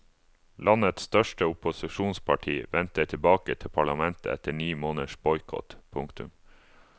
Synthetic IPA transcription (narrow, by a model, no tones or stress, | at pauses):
lʔɑnət̪st̪œʃʈəʊpʊsɪʃuːnspʰɑʈʰiːʋɛnt̪ət̪ʰɪbɑːkət̪ʰɪpʰɑɭɑmɛnt̪ə̰ɛt̪əɳiːmoːnəʃbɔʏkʰɔ̰t̪pʰʊŋkt̪ʉ̰m